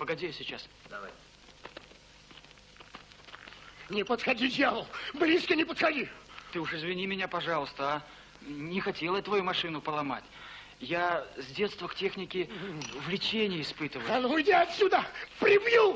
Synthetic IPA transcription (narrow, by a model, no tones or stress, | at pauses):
pəɡɐdʲejsʲɪt͡ɕas | d̪ɐva̰j | nʲɪpət̪xɐdʲidʲjavəlˠblʲiskənʲɪpət̪xɐdʲit̪ɨʊʂɪzvʲɪnʲimʲɪnʲapɐʐɑlˠəst̪əa | nʲɪxɐtʲe̞lˠət̪vɐjumɐʂɨnʊpəlˠɐmatʲ | jazʲdʲe̞t̪st̪vəktʲe̞xnʲɪkʲɪvlʲɪt͡ɕenʲɪjəɪspɨt̪ɨvəanuʊjdʲaɐt̪sʲud̪əpɾʲɪbju